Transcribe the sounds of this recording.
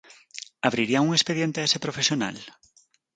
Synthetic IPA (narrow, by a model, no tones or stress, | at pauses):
aβ̞ɾiɾiauŋespeðjent̪eesepɾofesjona̰l